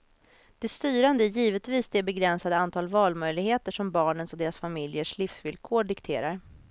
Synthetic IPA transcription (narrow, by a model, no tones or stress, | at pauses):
d̪̥ɛst̪yːɾand̪əjiːvət̪viːsd̪ɛbɛɡɾɛnsad̪əant̪ʰɑːlvɑːlmœjlɪɡheːt̪əʂɔmbɑːɳənsɔd̪eːɾasfamɪljəʂlɪfsvɪlkʰoːɖɪkt̪ʰḛːɾaɾ